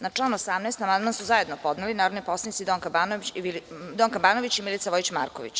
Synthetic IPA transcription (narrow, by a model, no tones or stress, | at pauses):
nat͡ʂlˠaːnuosamnɛːst̪amand̪mansuzaje̞d̪nopod̪nelinaːɾod̪nipo̞slanit̪sid̪oŋkabano | d̪oŋkabaːnoʋit͡ɕimilit̪aʋo̞it͡ɕma̰ːɾkoʋḭt͡ɕ